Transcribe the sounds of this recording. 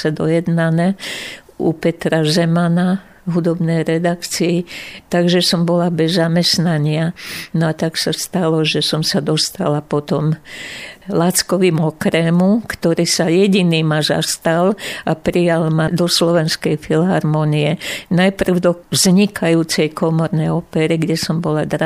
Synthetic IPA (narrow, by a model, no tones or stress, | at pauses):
sɛd̪ɔjɛd̪nanɛ | upɛt̪ɾazɛmana | ɦud̪ɔbnɛjɾɛd̪akt͡siːt̪aɡʒɛsɔmbɔlabɛzːamɛsnaɲɪanɔat̪aksast̪alɔʒɛsɔmsad̪ɔst̪a̰lapɔt̪ɔm | lat͡skɔʋiːmɔkɾɛmukt̪ɔɾiːsajɛɟiniːmaza̰st̪alapɾijalmad̪ɔslɔʋɛnskɛjfilɦaɾmɔniɛnajpr̩ʊd̪ɔvzɲikʰajuːt͡sɛjkʰɔmɔɾnɛjɔpɛɾiɡɟɛsɔmbɔlad̪ɾa